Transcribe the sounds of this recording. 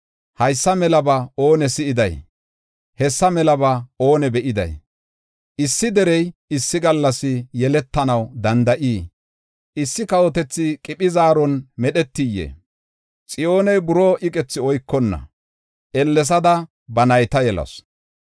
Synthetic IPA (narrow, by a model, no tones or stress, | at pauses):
hɐjsːɐmɛlɐbɐo̞ːnɛsɪʔɪd̪ɐ̰j | hɛsːɐmɛlɐbɐo̞ːnɛbɛʔɪd̪ɐ̰j | ʔɪsːɪd̪ɛɾɛjɪsːɪɡɐlːɐsɪjɛlɛt̪ːɐnɐwd̪ɐnd̪ɐʔiː | ʔɪsːɪkɐwɔt̪ɛt͡sːɪkʼɪpʼɪzaːɾɔnmɛɗɛt̪ːɪjːḛ | t͡sʼɪjo̞ːnɛjbʊɾoːʔɪkʼɛt͡sːɪɔjkːɔnːɐ̰ | ʔɛlːɛs̬ɐd̪ɐ | bɐnɐjt̪ɐjɛlɐ̰s